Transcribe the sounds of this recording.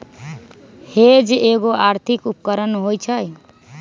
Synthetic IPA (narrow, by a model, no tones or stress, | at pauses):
hed͡ʒeɡoaɾt̪ʰikupkəɾənɦojt͡ʃʰəj